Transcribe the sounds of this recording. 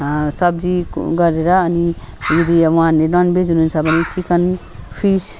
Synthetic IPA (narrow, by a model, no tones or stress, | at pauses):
sʌb̚d͡ziɡʌɾeɾʌːni | jed̪iũɦãnenʌnbed͡zununt͡sʰʌbʱʌnit͡ʃikən | pʰis